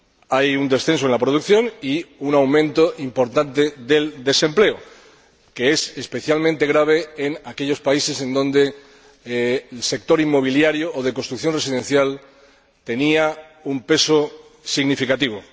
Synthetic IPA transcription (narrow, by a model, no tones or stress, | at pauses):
ajund̪e̞sθe̞nsoe̞nlapɾoð̞ukθjõ̞niunawmẽnt̪o̞ʔimpo̞ɾt̪ant̪eðe̞ld̪e̞se̞mple̞o | ke̞esespe̞θjalmẽnt̪e̞ɣ̞ɾaβ̞e̞ːnakeʎo̞spaise̞se̞nd̪õ̞nd̪e̞ | lse̞k̚t̪o̞ɾimːo̞βiljaɾjoʔːð̞ekost̪ɾukθjo̞nre̞siðe̞nθjal | t̪e̞nia | umpe̞so | siɣnifikat̪iβ̞o